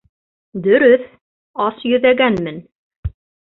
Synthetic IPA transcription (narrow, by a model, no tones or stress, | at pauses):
d̪ɵ̆ɾɵθ | ɑsjɵ̆ðæɡænmɘ̆n